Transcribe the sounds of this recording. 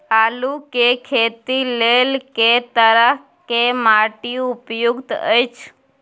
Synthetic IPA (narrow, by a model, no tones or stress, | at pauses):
alukekʰet̪ilelket̪əɾəɦ | kemaʈiupjuɡt̪ə̰jt͡ʃʰ